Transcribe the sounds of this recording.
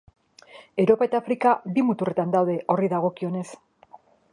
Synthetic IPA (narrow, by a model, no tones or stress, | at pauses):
e̞wɾo̞pae̞t̪aːfɾikabimut̪ure̞t̪and̪awðe̞ʔo̞riðaɣ̞o̞kio̞ne̞s